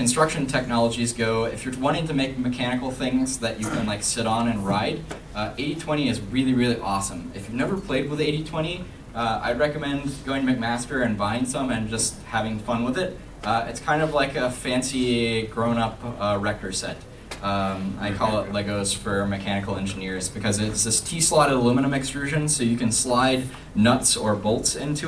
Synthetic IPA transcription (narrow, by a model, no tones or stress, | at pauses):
kɨ̃n̩stɹ̥ʌkʃɨ̃ntʰɛk̚nɑlˠəd͡ʒizɡoʊɨ̰fjə˞wɑ̃ɾ̃ɪ̃ŋtʰɨmeɪk̚mɨkʰæñɨkl̩ˠθɪ̃ŋzðɨt͡ʃɨkʰɨ̃nlaɪksɪɾn̩ɨ̃nɹaɪd | ʌʔeɪɾitʰw̥ɛ̃ɾ̃iɨzɹɪlˠiɹɪlˠiʔɔsə̃mɨfjʉvnɛvə˞pʰl̥eɪd̚wəðeɪɾitʰw̥ɛ̃ɾ̃i | ʌa̰ɪd̚ɹɛkɨmɛ̃nɡoʊɪ̃ŋtʰɨmeɪk̚mæstə˞ɨ̃nbãɪ̃nd̥sʌ̃mɨ̃nd͡ʒʌsthævɪ̃ŋfʌ̃nwəðɪt̚ | ʌɪtskʰãɪ̃ndʌvlaɪkɨfæ̃nsiɡɹõʊ̃nʌpʌɹɛk̚tə˞sɛ̰t | ʌ̃ma̰ɪkʰɔlˠətˡlɛɡoʊz̥fə˞mɨkʰænɨkl̩ˠɛ̃nd͡ʒɨnɪɹzbɨkʰʌzɪtsðɨstʰislɑɾəəlɪ̃məñə̃mɨkstɹ̥ʉʒɨ̃nsoʊjɨkɨ̃nslaɪdⁿ | nʌtsə˞boʊlˠtsɪ̃ntʰʉ